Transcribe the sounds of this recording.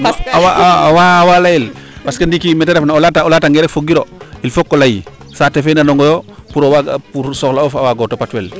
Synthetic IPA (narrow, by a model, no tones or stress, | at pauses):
awawawalajilpaskendikimɛtɛɾefnaɔlataɔlataŋɡɛɾɛkfoɡiɾoilfokːɔlaji | satefenanɔŋɡɔjopuɾowapuɾsɔklaɔfawaɡɔtopatwɛl